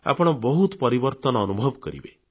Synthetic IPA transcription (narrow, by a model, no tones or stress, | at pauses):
a̰pɔɽ̃ɔbɔɦut̪pɔɾibɔɾt̪ɔnɔːnubʱɔbkɔɾḭbe